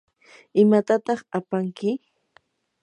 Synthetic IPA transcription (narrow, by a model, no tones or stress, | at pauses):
ɪmat̪at̪ɑχapaŋkɪ